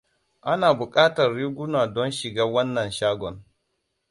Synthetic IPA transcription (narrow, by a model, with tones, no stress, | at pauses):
ʔa˦naː˨bʊ˨kʼaː˦tɐ˨rːiː˦ɡʷʊ˦naː˨dɔ˦nʃɪ˨ɡaː˦wɐ˦nːɐ˨nʃaː˦ɡʷɔ˨n